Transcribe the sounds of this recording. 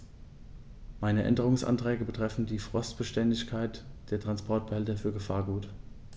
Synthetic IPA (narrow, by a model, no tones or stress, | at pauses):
maɪnəʔɛ̰ndəʁʊŋsʔa̰ntʁ̥ɛːɡəbətʁ̥ɛfn̩diːfʁ̥ɔstb̥əʃtɛndɪçkʰaɪtd̥eːɐtʁ̥anspʰɔɐt̚b̥əhɛltɐfyːɐɡəfaːɐɡuːt